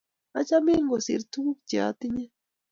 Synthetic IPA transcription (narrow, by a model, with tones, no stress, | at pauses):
a̰˦t͡ʃa˦mi˦ŋɡo˨sḭ˨ɾt̪u˦u˦kd͡ʒa̰˨t̪i˦ɲa˦